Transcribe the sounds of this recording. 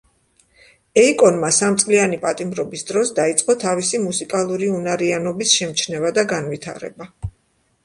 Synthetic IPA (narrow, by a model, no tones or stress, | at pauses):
ɛikʼɔnmasamt̪sʼlianipʼat̪ʼimɾɔbisd̪ɾɔsd̪ait̪sʼqʼɔt̪ʰavisimusikʼalˠuɾiunaɾianɔbisʃɛmt͡ʃʰnɛvad̪aɡanvit̪ʰa̰ɾɛ̰ba